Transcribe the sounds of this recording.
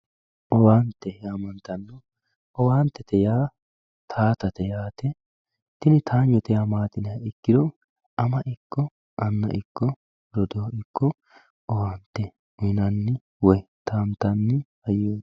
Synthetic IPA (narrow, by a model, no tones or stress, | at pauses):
ʔɔwaːnt̪ːɛhɛɐmɐnt̪ɐnːɔ | ɔwaːnt̪ːɛt̪ɛjaː | t̪ʰaːt̪ɐt̪ɛjaːt̪ɛ | t̪ɪnɪt̪ʰaːɲːɔt̪ɛjamaːt̪ɪnɛɐɪkːɪd̪ɔ | ɐmɐʔɪkːɔ | ʔɐnːɐ̰ʔɪkːɔ | ɾɔd̪oːɪkːɔ | ɔwaːnt̪ːɛ | ʊnɐnːɪ | wɔj | t̪aːnt̪ɐnːɪhɐjːoː